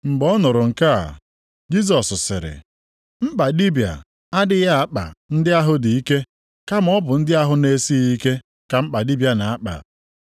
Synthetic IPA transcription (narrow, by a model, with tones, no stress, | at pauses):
ŋ͡m̩˨ɡ͡bɔ˦nʊ˨ɾʊ˨ŋ̩˨ka˦a̰˨ | d͡ʒi˦s̬ɔ˨sʊ˨sɪ˨ɾɪ̰˨ | m̩˦k͡pa˨di˦bja̰˨ | a˦dɪ˦ɣa˦a˦k͡pa̰˨n̩˦dɪ˦a˦ɦʊ˦di˨i˦ke˦ | ka˦m̩˦ɔ˦bʊ˨n̩˦dɪ˦a˦ɦʊ˦ne˦si˦i˦ke˦ | ka˨m̩˦k͡pa˨di˦bja˨na˨a˦k͡pa̰˨